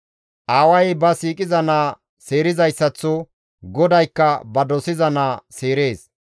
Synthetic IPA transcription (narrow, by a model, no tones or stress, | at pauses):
ʔaːwɐjbɐsiːkʼɪzɐnaː | se̞ːɾɪzɐjsːɐt͡sːɔ | ɡɔd̪ɐjkːɐbɐd̪ɔsɪzɐnaːseːɾe̞ːs